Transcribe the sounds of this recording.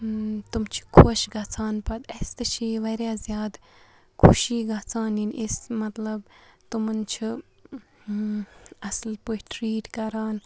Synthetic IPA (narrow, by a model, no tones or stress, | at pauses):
t̪umt͡ʃʰi̥kʰoʃɡɐt͡sʰaːnpɐt̪est̪ɨt͡ʃʰiʋɐɾʲjaːzjaːd̪ | kʰuʃiːɡɐt͡sʰaːninʔismɐt̪lɐbt̪umɐnt͡ʃʰi | ɐslpuʈɾiːʈkɐɾaːn